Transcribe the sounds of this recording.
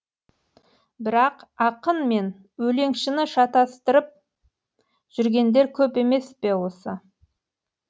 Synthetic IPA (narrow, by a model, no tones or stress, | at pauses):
bɪɾɑqɑqənme̞n | wɵle̞ŋʃɪnɪʃɑt̪ɑst̪əɾəp̚ | ʒ̥ʏɾɡʲe̞nd̪e̞ɾkʲʰɵpe̞me̞spe̞wo̞sə